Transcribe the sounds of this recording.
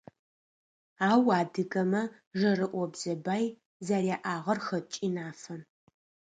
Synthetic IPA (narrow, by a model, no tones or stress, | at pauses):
aːwaːdɨɡɐmɐ | ʒɐrɨʔʷɔbz̥ɐbaːj | zarjaːʔaːʁɐrxɐt͡ʃʼinaːfɐm